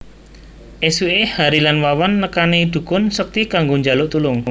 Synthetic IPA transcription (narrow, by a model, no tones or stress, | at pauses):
ʔesuehaɾilanwawanːəkanid̪̥ṳkʊnsək̚t̪ikaŋɡoɲd͡ʒalʊʔt̪ulʊŋ